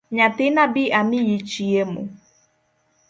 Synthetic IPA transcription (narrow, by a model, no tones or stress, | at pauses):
ɲatɪnabɪʔamijit͡ʃiemṵ